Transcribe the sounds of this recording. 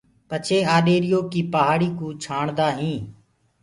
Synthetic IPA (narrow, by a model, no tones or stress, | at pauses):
pət͡ʃʰeːaːɗeːɾɪjoːkiːpəɦaːɽiːkũːt͡ʃʰaːɳd̪aːɦĩː